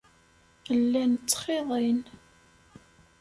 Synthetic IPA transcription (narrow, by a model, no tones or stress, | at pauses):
əlːænt͡sːχeðˤin